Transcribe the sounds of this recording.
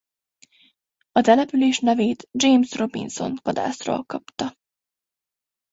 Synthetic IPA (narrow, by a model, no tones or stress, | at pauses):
ɒt̪ɛlɛpyleːʃnɛveːt̪d͡ʒeːmsro̞bḭnso̞̰nkod̪a̰ːsro̰lkɒpt̪ɒ